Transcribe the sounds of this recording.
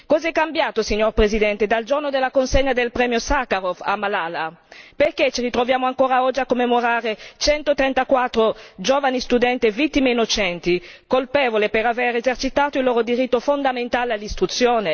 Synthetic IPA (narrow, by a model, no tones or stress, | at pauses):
kɔzɛkːambjaːt̪osiɲːorpɾezid̪ɛnt̪ed̪ald͡ʒornod̪elːakonseɲːad̪elpɾɛːmjosakaɾofa̰mːalalaperket͡ʃirit̪ɾovjaːmoaŋkoːɾaɔd͡ʒiakːomːemoɾaːɾet͡ʃɛnt̪ot̪ɾɛnt̪akwat̪ːɾod͡ʒoːvanist̪ud̪ɛnt̪evit̪ːimeinːot͡ʃɛnt̪ikolpɛːvolepeɾavɛɾezert͡ʃit̪aːt̪oilːoːɾod̪iɾit̪ːofond̪ament̪aːlealːist̪ɾut̪sːjoːne